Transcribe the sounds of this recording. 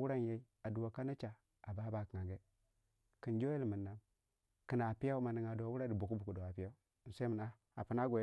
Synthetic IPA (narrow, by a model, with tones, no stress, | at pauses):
wu˦ɾa˦n˨ja˦i˦ | a˨du˨wa˨ka˦na˦t͡ʃa˨ | a˨ba˨˦ba˨ka˨ɡe˦ | ki˨nd͡ʒo˦je˦lmə˨nːa˦m | ki˨na˨pi˦ja˦u˦ma˨ni˨ŋa˨do˨wu˦ɾa˦di˨bu˨ku˦bu˨ku˨do˨a˨pi˦a˦u˦˨ | n˨sa˦mə˨na˦ | a˨pu˦na˦ɡʷo˨˦